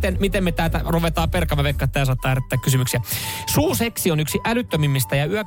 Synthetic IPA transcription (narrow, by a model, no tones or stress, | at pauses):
t̪enmit̪emːet̪æːt̪æruʋet̪ɑːperkɑmːɑʋekːɑt̪ːæːs̬ɑt̪ːɑːjæret̪ːæːkysymyksiæsuːseksionyksiʔælyt̪ːømimːist̪æjɑyø